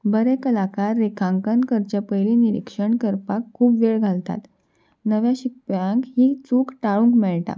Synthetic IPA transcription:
bəɾɛkəlakaɾːekʰãŋkənkəɾt͡ɕjapəjliniɾḭkʂəɳkəɾpakʰːuːpʋeɭɡʱalt̪a̰t̪ | nəʋjaɕik̚pãŋkɦiːt͡suːkʈaɭũŋkmɛɭʈa̰

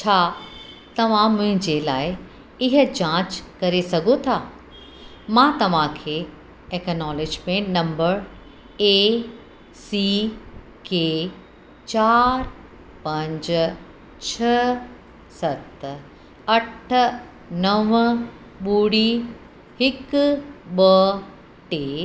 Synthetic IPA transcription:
t͡ɕʰaː | t̪ɐʋ̤ãmʊ̃ɦɪ̃ɲd͡ʑela̰ːɪ | ɪɦə̆d͡ʑãːt͡ɕkɐɾesɐɡʱot̪ʰaː | mãːt̪ɐʋ̤ãkʰeː | eknɔːlɪd͡ʑmẽʈnɐ̃mbəɾ | e | si | keː | t͡ʃaːɾ | pɐ̃ɲd͡ʑ | t͡ʃʰɐ | sɐt̪ | ɐʈʰ | nɐʋ | ɓuːɽi | hɪk | ɓə | ʈeː

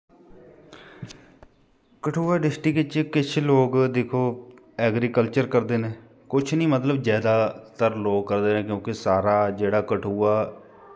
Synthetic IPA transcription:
kəʈʰuːaːɖɪsʈikɪt͡ʃkɪt͡ʃʰloːɡd̪eːkʰoː | ɛːɡɾiːkəlt͡ʃəɾkəɾd̪eːnẽː | kʊt͡ʃʰnĩːmət̪ləbd͡ʒjɛːd̪aːt̪əɾloːɡkəɾd̪eːnẽːkjõːkɪsaːɾaːd͡ʒeːɽaːkəʈʰuːaː

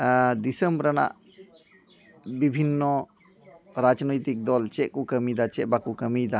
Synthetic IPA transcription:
d̪isəmbɾana̰ʔ | bibʱinːɔ | ɾad͡ʒnɔjt̪ik̚d̪ɔlt͡ʃɛʔkukəmid̪at͡ʃɛʔ̚bakukəmijd̪a

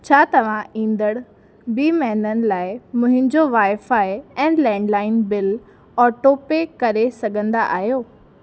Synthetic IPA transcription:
t͡ɕʰaːt̪ɐʋ̤ãĩːnd̪əɽ | biːmɛːnənɪ̆laːɪmʊ̃ɦɪ̃ɲd͡ʑoʋaːɪfaːɪɛ̃ːlɛ̃ːɳɖlaːɪnbɪl | ɔːʈoːpekɐɾesɐɡʱə̃nd̪aʔaːɦjoː

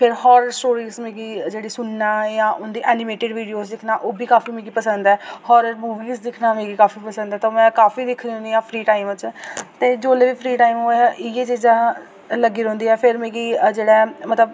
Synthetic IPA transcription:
pʰɪɾɦɔːɾsʈoːɾiːzmeːɡiːd͡ʒeːɽiːsʊnːaːjãːʔʊnd̪iːʔɛːnɪmeːʈɪɖʋiːɖijoːsd̪ɪkʰnaːʔoːbiːkaːfiːmẽːɡiːpəsənd̪ɛːhɔːɾmuːʋiːzd̪ɪkʰnaːmẽːɡiːkaːfiːpəsə̃nd̪ɛːt̪omɛ̃ːkaːfiːd̪ɪkʰnĩːʊ̃nd̪iːãːpʰɾiːʈaːimt͡ʃt̪eːd͡ʒoːleːʋiːpʰɾiːʈaːimoːʔɪjeːt͡ʃiːd͡ʒaː | ləɡiːɾɛ̃ɦːnd̪iːɛːpʰɪɾmeːɡiːd͡ʒeːɽɛːmət̪ləb

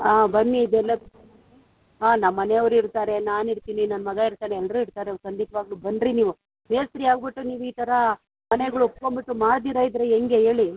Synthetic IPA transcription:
aːbɐnːiːd̪ɛlːɐ | ɦaːnɐmːɐneɐʋɾuiɾt̪aːɾe̞naːniɾt̪iːninɐnːmɐɡaiɾt̪aːneɛlːɐɾuiɾt̪aːɾeɐkɐnɖit̪ɐʋaːɡlubɐnɖɾiniːʋu | meːst̪ɾiaːɡbiʈːuniːʋuiːt̪ɐɾɐ | mɐneɡɐɭuupko̞mbiʈːumaːɽd̪iɾajid̪ɾeeŋɡe̞ɦe̞ːɭi

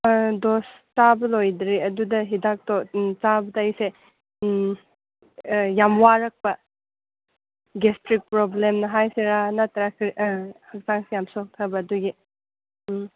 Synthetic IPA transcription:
dostabɐlojdɾiɐdudɐɦidak̚tot͡ʃabɐdɐɐjse | jamwaɾɐk̚pɐ | ɡestɾik̚pɾoblemnɐɦajseɾanatɐɾakʰɾihɐk̚zaŋsijamsok̚tʰɐbɐːduɡi

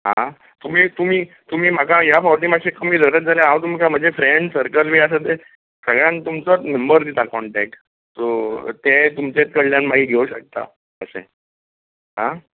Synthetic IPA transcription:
ɦã̰ | t̪um̤iːt̪um̤iː | t̪um̤iːm̤akajafawʈimaɕekəm̤iːd̪ʱəɾət̪̚d͡zʱaljaɦãwt̪̬umikam̤ənd͡zʱefɾeɳɖsəɾkəlʋiasət̪e | səɡɭjãnt̪umt͡səməmbəɾd̪it̪akɔɳʈɛk̚ʈ | sot̪et̪umt͡set̪̚kəɽljanmaɦiːɡʱeuɕək̚t̪a̰ | əsḛ̃ | ɦã

